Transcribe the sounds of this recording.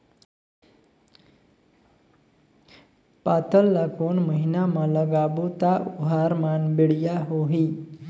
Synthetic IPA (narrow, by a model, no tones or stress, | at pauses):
pat̪əlːakonməɦinamãləɡabut̪aʔuɦaɾmanbiɽjaɦoɦi